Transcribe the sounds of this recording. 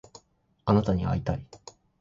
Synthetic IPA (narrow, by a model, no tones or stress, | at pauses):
anat̪aɲ̟ia̰it̪ai